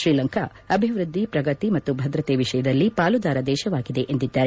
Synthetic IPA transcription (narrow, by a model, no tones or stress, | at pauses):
ʃɾiːlɐŋkʰɐ̰ | ɐbʱiʋɾɨd̪ːipɾɐɡɐt̪imɐt̪ːubʱɐd̪ɾɐt̪eːʋiʂɐjɐd̪ɐlːipaːlud̪aːɾɐd̪ɛːʃɐʋaːɡid̪eʔend̪id̪ːaːɾe